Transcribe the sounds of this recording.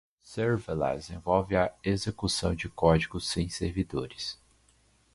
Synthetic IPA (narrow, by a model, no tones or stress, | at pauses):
sɛɾvela̰zẽvɔwvɪɐezekusɐ̃w̃d͡ʒɪkɔd͡ʒiɡʊsẽj̃seɾvid̪oɾɪs